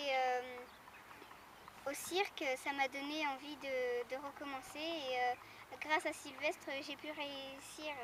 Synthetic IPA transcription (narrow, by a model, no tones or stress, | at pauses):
eø | osiʁksamad̪ɔneɑ̃vid̪əd̪əʁəkɔmɑ̃seːø | ɡʁasasilvɛst̪χəʒepyʁeysiːʁ